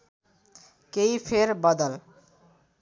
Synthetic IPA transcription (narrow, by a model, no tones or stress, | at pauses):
kejpʰeɾbʌd̪əl